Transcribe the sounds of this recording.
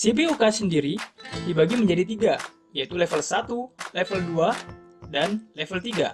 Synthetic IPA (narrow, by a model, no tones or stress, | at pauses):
sibiukasəndiɾidibaɡiməɲd͡ʒadit̪iɡa | jait̪ulɛfəlsat̪ulɛfəldua | danlɛfəlt̪iɡa̰